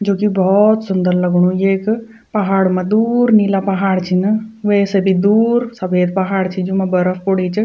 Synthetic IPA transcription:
d͡ʒoːkibɔːt̪sʊnd̪əɾlɐɡɽ̃ũjeːk | pɐɦaːɽmãd̪uːɾniːlapɐɦaːɽt͡ʃʰinəʋesebʱid̪uːɾsɐfeːd̪̚pɐɦaːɽt͡ʃʰid͡ʒumãbɐɾəfpoɽit͡ʃə

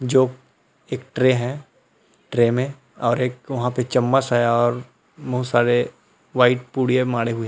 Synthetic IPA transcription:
d͡ʒoː | eːkʈɾeːɦɛ̃ | ʈɾeːmẽ | ɔːɾeːk̚ʋɐɦãpet͡ʃɐmːasaːjaɔːɾ | mɐɦũsaːɾe | ʋaːɪʈ̚puːɽijemaːɽeɦʊe

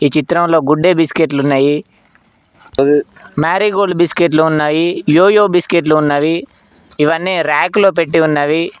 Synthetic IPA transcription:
iːt͡ʃit̪ɾɐmlo̞ːɡuɖːeːbiskeʈ̬lunːaːji | maːɾiːɡoːlubiskeʈ̬luːnːaːjijoːjoːbiskeʈ̬luːnːaːji | iʋɐnːiɾaːkloːp̬eʈːiunːaːʋi

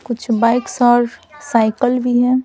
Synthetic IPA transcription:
kʊt͡ʃʰbaːɪksɔːɾsaɪkəlbʱiɦɛ̃ː

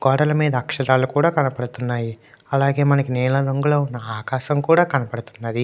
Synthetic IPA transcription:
ɡɔːɽɐlɐmiːd̪ɐːkʂɐɾaːlukuːɽaːkɐnɐpɐɽut̪unːaːji | ɐlaːɡe̞ːmɐnɐkinɛːlɐɾoŋɡulo̞ːunːɐaːkaːʃɐmkuːɽaːkɐnɐpɐɽut̪unːɐd̪i

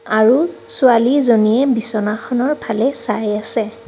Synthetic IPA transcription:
aɹusʊalizonijɛbisɔnaxɔnɔɹpʰalɛsajasɛ

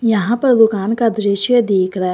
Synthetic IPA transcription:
jɐɦãpɐɾd̪ʊkaːnkad̪ɾɪʃjəd̪iːkʰɾɐɦ

